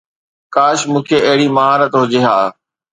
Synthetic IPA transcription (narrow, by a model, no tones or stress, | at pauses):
kaːʃmũːkʰeʔɐɦɪɽimɐɦaːɾət̪ɦʊd͡ʑeɦaː